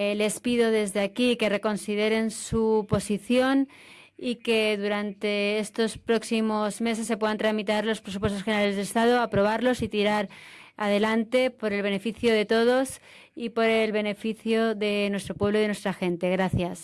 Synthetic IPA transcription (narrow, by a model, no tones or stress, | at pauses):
le̞spiðo̞ðe̞zðeakike̞re̞ko̞nsiðe̞ɾe̞nsupo̞siθjo̞n | ike̞ðuɾant̪e̞est̪o̞spɾo̞ksimo̞zme̞s̬e̞sːe̞pwe̞ðant̪ɾamit̪aɾlo̞spɾe̞s̬upwe̞st̪osxeneɾalezðelest̪aðoapɾo̞β̞aɾlo̞sit̪iɾaɾað̞e̞lant̪e̞po̞ɾe̞lβ̞e̞ne̞fiθjoðe̞t̪o̞ð̞o̞s | ipo̞ɾe̞lβe̞ne̞fiθjoðe̞nwe̞st̪ɾo̞pwe̞βloiðnwe̞st̪ɾaxe̞nt̪e̞ɣɾaθjas